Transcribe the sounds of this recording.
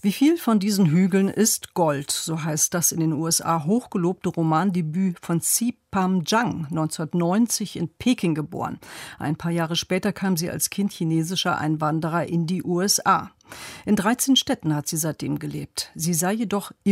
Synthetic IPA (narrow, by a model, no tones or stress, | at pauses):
v̥iːfiːlfɔndiːzn̩ɦyːɡlənʔɪstɡ̥ɔltz̥oːɦaɪst̚d̥asɪndeːnuːɛsʔa̰ːɦoːxɡ̥əloːp̚təʁomaːndebyːfɔnt͡sipamd͡ʒaŋnɔʏnt͡sundɐtnɔʏnt͡sɪçɪnpʰeːkʰɪŋɡəbo̰ːʁə̰nʔa̰ɪnpʰaːɐjaːʁəʃpɛːtɐkʰaːmziːa̰lskʰɪntçineːzɪʃɐʔa̰ɪnvandəʁ̞ɐʔɪndiːʔuːɛsʔaː | ʔɪndʁaɪt͡seːnʃtɛtn̩hatz̥iːzaɪt̚d̥ḛːmɡəleːp̚tz̥iːzaɪjedɔχ